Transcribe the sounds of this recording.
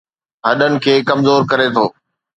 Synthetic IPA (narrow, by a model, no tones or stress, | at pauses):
ɦɐɗənɪ̆kʰeːkɐmzoːɾkɐɾet̪ʰoː